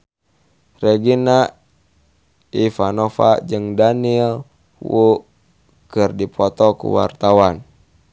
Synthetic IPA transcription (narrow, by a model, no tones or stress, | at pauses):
rɛɡina | ifanofa̰d͡ʒɨŋdaniɛl | wu | kɨrdipʰɔt̪ɔkṵwa̰rt̪awan